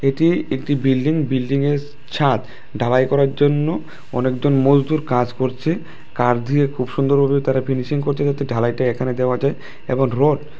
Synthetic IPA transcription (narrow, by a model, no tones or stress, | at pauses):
eʈiek̚ʈibilɖiŋbilɖiŋeɾ | t͡ɕʰat̪ | ɖʱalajkɔɾaɾd͡ʑonːo | ɔ̰nekd͡ʑonmod͡ʑd̪uɾkad͡ʑkoɾt͡ɕʰe | kaɾd̪ʱiekʰubʃund̪oɾbʱabet̪aɾafʰiniʃiŋkoɾt͡ɕʰed͡ʑat̪eɖʱalajʈaekʰaned̪eoad͡ʑae | eboŋɾoɖ